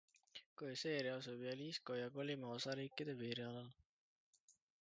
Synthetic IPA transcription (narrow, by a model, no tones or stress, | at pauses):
koise̞ːɾiɑsubjɑliːsko̞jɑɡo̞limɑosɑɾiːkːˑid̪̥e̞piːɾiɑlɑl